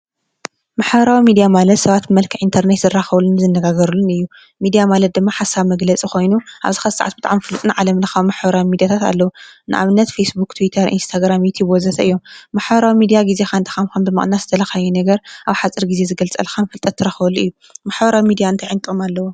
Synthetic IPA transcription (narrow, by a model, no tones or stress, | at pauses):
maħbɐɾawimid̪ijamalɐt̪sɐβat̪ɨmɐlkʰɨʔint̪ʰɐɾnet̪zɨrːaxɐβulːɨnɨzɨnːɐɡaɡɐɾulːɨnɨjːu | mid̪ijamalɐt̪̚d̪ɨmːaħasːaβmɐɡlɐt͡sʼiko̞jnuʔa̰βzixɐzɨsaʕat̪bɨt̪ʼaʕamfɨlt̪ʼnaʕalɐmnɨxamaħbɐɾawimid̪ijat̪ʰat̪a̰lːɐwunɨ̰ʔa̰βɨnːɐt̪fejsbukt̪ʰuwit̪ʰɐɾḭnst̪ʰaɡɾamjit̪ʰibwɔzɐsʰɐʔɨjːo̞mmaħβɐɾawimid̪ijaɡize̞xant̪ʰi̥xamkʰɐmbɨmɨχʼnaszɨt̪ʰɐlɐxajɛnɐɡɐɾʔaβħat͡sʼɨɾɡize̞zɨɡɐlt͡sʼɐ̰lxamfɨlt̪ʼɐt̪ʰːɨɾaxɐβɐlːuʔɨjːu | maħβɐɾawimid̪ijaɨnt̪ʰajʕɨnt̪ʼomalːɐwo